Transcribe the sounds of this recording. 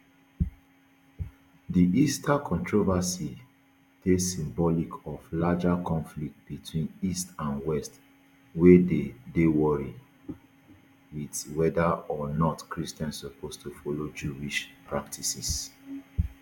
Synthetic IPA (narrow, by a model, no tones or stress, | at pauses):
diʔistʰakʰɔ̃ntɹovasi | tesĩmbɔlikʰɔvlad͡ʒakʰɔ̃nflik̚t̚bitʰwĩnistãnwɛst | wededewɔɹi | widwɛdaɔnɔtkɹistɛ̃nsːɔpʰostʰufɔlod͡ʒuiʃpʰɹak̚tʰisis